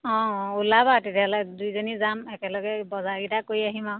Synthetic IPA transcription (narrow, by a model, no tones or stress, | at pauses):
ɔ̃ulabatetialɔjdujzonizamɛkɛlɔɡɛbɔzaɡitakoɹiaɦimaw